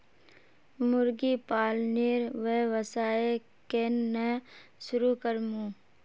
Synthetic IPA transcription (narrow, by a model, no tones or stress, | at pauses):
mʊɾɡipaːlniːɾʋeːʋəsaːe | kennɛ̃ʃʊɾukəɾmũː